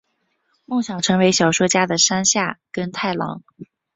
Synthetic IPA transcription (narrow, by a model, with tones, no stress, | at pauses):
mʊ˥˩ŋɕjɑ˨˩ʊʈ͡ʂʰɤ˧˥ŋwe˧˥ɪɕjɑ˨˩ʊʂwɔ˥t͡ɕja˥d̪ə˨ʂa˥nɕja˥˩kə˥nt̪ʰa˥˩ɪlɑ̰˧˥ŋ